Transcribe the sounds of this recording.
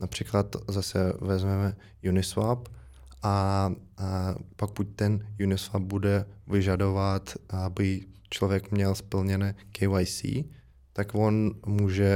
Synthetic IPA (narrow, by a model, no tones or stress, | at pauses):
napr̝̥iklat̪zasɛvɛzmɛmɛ | junɪsvap | ʔa | pokuc̚t̪ɛnjunɪsvap̚budɛvɪʒado̞vat̪abɪt͡ʃlovjɛkmɲɛlspl̩ɲɛnɛːkɛajsḭː | t̪akvonmuːʒɛ